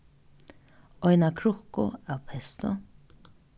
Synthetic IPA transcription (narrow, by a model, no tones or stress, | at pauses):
ɔjnakʰɾʊhkʊ̰awpʰɛst̪ʊ